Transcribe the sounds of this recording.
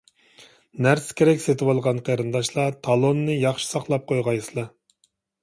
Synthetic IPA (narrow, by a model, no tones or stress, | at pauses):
næɾskʲʰeɾɛkʲset̪ʰɪwɑlˠʁɑnqʰɑɾɨnd̪ɑʃlˠɑt̪ʰɑlˠonːɨjɑχʃi̥sɑχlˠɑp̚qʰojʁɑjsɨlˠɑ